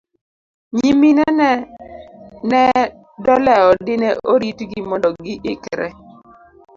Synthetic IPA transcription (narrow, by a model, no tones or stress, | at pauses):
ɲiminɛnɛ | nɛ | dɔlɛɔdɪnɛʔoɾitɡimɔndɔɡɪʔɪkɾɛ